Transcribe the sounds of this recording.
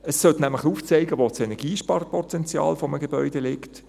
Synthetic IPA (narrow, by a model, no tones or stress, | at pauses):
əsːœtnæmləχuːft͡sɛɪɡəʋoːt͡sɛnɛʁɡiːʃpɑrpʰɔt̪ɛnt͡sjɑ̰ːlfɔməɡebœʏd̥elɪkt